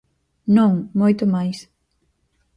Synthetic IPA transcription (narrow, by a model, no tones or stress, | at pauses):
nõŋmojt̪ʊmajs